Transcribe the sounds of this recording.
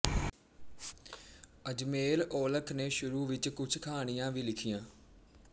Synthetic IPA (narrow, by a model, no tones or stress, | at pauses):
əd͡ʒmeːloːləkʰneːʃʊɾuːʋɪt͡ʃkʊt͡ʃʰkʰaːɽ̃ijãːʋiːlɪkʰijãː